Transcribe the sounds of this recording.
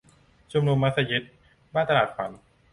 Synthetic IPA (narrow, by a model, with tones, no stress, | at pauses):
t͡ɕʰo˧mnu˧mːa˦˥t̪̚sa˧je˦˥t̪̚ | baː˥˩nt̪a˧laː˨˩t̪̚fa˩˦n